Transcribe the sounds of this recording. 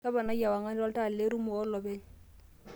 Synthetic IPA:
a˦ba˨na˦ja˨wa˨ŋa˦n˦lɔ˦lta˦˨lle˦ɾu˦mʊ˨ɔ˦lɔ˨be˦ɲ̩

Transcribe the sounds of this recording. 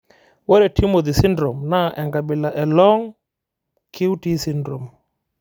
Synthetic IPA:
wɔ˦ɾɛ˨ti˦mo˨ði˨si˦ndɾo˨mna˦ʔɛ˨ŋɡa˨bɪ˨la˨ʔɛ˨lɔ˦ŋ | kʰi˦wu˦ti˦si˦ndɾo˨m

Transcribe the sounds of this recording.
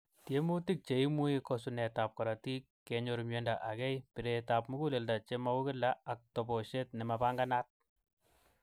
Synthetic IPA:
tje˦mu˦ti˦k̚t͡ʃe˨i˦mu˦jikɔs̬unɛ˨ta˨p̚ka˨ɾa˨ti˦kːe˨ɲo˨ɾumje˦nda˨ʔa˨kɛ˦jpi˨ɾe˨ta˨p̚mu˦ɡu˦le˨lda˨t͡ʃe˦ma˦wu˦kɪ˦la˦ak̚tɔ˨bɔ˨ʃe˦tnɛ˨ma˨pa˦ŋɡa˦na˦t̚

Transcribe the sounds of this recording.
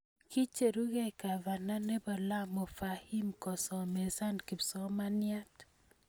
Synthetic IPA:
ki˦t͡ʃe˨ɾu˦ɡɛ˦ka˨va˨na˦ne˦bɔ˨la˦mo˨fa˨hi˦mkɔ˨sɔ˨me˨sa˦nki˨psɔ˦ma˦nja˦t

